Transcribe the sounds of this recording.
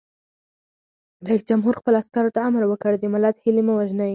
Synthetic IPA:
ɾaisd͡ʒamɦuɾxpəloaskɑɾot̪aamɾwəkəɽed̪emalat̪hilemuwaʒnaji

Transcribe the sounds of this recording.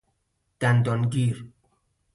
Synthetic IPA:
d̪̥ænd̪ɒnɡiːɾ

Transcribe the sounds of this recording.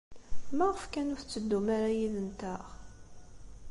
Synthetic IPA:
mæʁəfkænʊɾθt͡sːəd̪ːumaɾajiðənt̪əʁ

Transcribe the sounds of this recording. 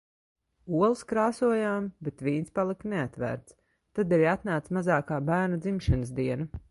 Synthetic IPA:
uɔlˠskɾaːsuɔjaːmbet̪viːnspalˠikneat̪væ̰ɾt̪s | t̪ad̪ɛɾiat̪naːt̪smazaːkaːbæːɾnad̪zimʃɛnəsd̪iɛna

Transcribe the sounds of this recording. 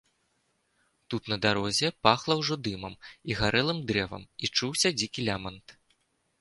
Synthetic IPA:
t̪ut̪nɐd̪aɾɔzʲɛpaxlˠɐwʐɔd̪ɨmɐmiɣaɾʔɛlˠɨmd̪ɾɛvɐ̰mit͡ʂuwsʲɐd͡zʲikʲilʲamɐnt̪

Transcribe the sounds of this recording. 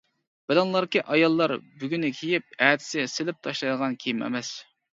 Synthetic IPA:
b̥ɪlɑŋlˠɑɾkʲiʔɑjɑlˠːɑɾbyɡʲynɪkʲʰejip̚æːd̪ʰɪ̥sɪsɪlɪp̚t̪ʰɑʃlˠɑjd̪əʁɑnkʲʰejimɛ̰mɛs

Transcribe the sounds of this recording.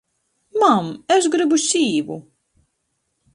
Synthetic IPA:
mamɛʃ̬ɡɾɨbuʃiːvṵ

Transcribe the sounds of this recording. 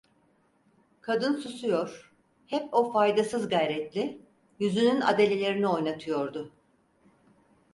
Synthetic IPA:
kʰad̪ɯnsusujo̞ɾ̥ | hɛpo̞fajd̪asɯzɡajɾɛt̪lʲɪ | jyzynyna̰d̪e̞lʲe̞lʲe̞ɾinio̞jnat̪ʰɯjo̞ɾd̪ʊ

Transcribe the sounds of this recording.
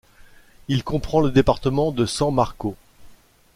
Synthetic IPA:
ilkɔ̃pχɑ̃ləd̪epaʁt̪əmɑ̃d̪əsɑ̃maʁko

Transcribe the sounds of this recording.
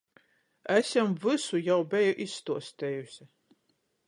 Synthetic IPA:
æsʲɛmvɨsujawbɛjuʔisːt̪uɔst̪ʰɛjus

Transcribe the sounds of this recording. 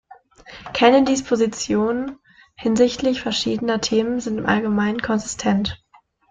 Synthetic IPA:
kʰanədɪspʰozit͡sjoːnən | hɪnzɪçtlɪçfɛɐʃiːdənɐtʰeːmənzɪntɪmʔa̰lɡəmaɪnənkʰɔnzɪstʰɛnt

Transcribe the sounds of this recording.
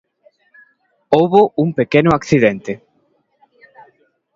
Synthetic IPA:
owβʊuŋpekenʊakθiðent̪ɪ

